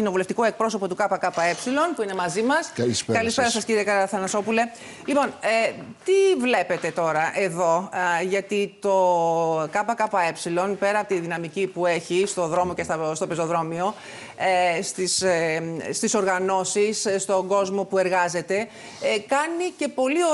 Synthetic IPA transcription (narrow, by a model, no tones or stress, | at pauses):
ino̞vuleft̪ikoe̞k̚pɾo̞s̬o̞po̞t̪ukɐpɐkɐpɐe̞psilo̞npuine̞mɐzimɐslskɐlispe̞ɾɐsɐsciɾiekɐɾɐɐθɐnɐso̞pule̞ | lipo̞nt̪ivle̞pe̞t̪e̞t̪o̞ɾɐʔe̞ðo̞ʝɐt̪it̪o̞kɐpɐkɐpɐe̞psilo̞npe̞ɾɐːpot̪iðinɐmicipue̞çist̪o̞ðɾo̞mo̞cest̪ɐst̪o̞pezo̞ðɾo̞mio̞ | est̪is | st̪iso̞ɾɣɐno̞sisst̪o̞ŋɡo̞zmo̞pue̞ɾɣɐze̞t̪e̞ | kɐnice̞po̞lio